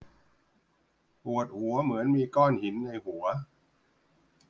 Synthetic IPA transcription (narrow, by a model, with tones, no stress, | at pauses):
pu˨˩ət̪̚hu˩˦ɐmɯ˩˦ənmiː˧kɔː˥˩nhi˩˦nːa˧jhu˩˦ɐ